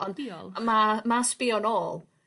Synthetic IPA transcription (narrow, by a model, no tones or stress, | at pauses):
ɔnɔ̰lˠmamaspɪɔnoːlˠ